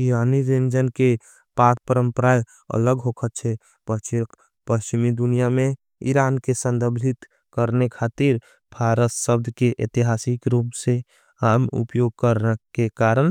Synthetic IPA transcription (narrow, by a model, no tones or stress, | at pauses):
iɾaːniɾend͡ʒənke | pak̚pəɾə̃mpəɾaj | ə̰ləɡɦokʰət̪̚t͡ʃʰɛ | pət͡ʃ | pəst͡ʃimid̪unijamẽ | ḭɾaːnkesə̃nd̪əɾbd̪ʱit̪ | kəɾnekʰaːt̪iɾ | bʰʱaːɾət̪səbd̪ʱkeʔḛt̪iɦasikɾuːpse | aːmṵpjoɡ̚kəɾnəkekaɾən